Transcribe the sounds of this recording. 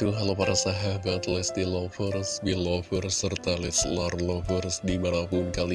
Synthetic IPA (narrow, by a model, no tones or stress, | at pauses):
t̪uɦalopaɾasaɦabat̪lɛst̪ilɔfərsbilɔfərsərt̪alɪslɔrlɔfərsdimanapunkali